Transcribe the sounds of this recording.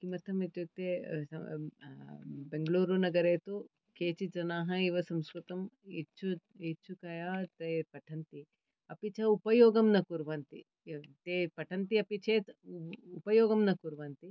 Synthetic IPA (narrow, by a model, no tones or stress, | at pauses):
kimɐt̪ʰɐmet̪jut̪eɐ | beŋɡɐɭuːɾunɐɡɐɾeːt̪u | keːt͡ʃid͡ʒɐnaːɦɐiʋɐsɐmskɾut̪ɐmit͡ʃu | eːt͡ʃːukɐjaːt̪ɐpɐʈʰɐnt̪i | ɐpit͡ʃɐupɐjɔːɡɐmnɐkuɾʋaːnt̪ḭ | t̪eːpɐʈʰɐnt̪iɐpit͡ʃʰeːt̪upɐjɔːɡɐmnɐkuɾʋaːnt̪i